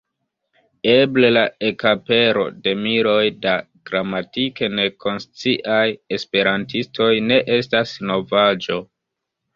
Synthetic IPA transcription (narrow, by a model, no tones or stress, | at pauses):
e̞ble̞lae̞kape̞ɾo̞̰de̞miɾo̞jda | ɡ̥ɾamatike̞ne̞kʰo̞nst͡siʔaje̞spe̞ɾantistʰo̞jne̞ʔe̞stasno̞vad͡ʒo̞